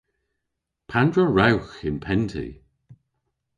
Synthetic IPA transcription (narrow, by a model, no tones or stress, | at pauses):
pʰandɹəɹawxɪnpʰɛntʰḭ